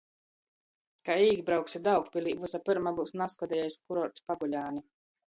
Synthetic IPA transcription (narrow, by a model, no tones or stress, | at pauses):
kaiːɡbɾawksʲid̪awkpʲilʲˠiːvusapɨɾmabuːsnaskɔd̪ʲɛjɛjskuɾɔɾt̪spaɡulʲaːni